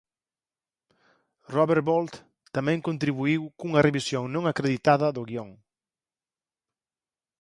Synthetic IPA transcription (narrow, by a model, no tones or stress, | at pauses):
roβeɾβolt̪ | t̪amɛ̃ŋkõnt̪ɾiβuiwkuŋɐreβisjoŋnõŋakɾeðit̪aðɐðʊɣiɔŋ